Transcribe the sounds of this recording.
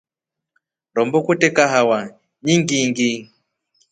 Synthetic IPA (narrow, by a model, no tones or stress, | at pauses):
ɾɔmbɔkutɛkaɦawa | ɲiŋɡiŋɡi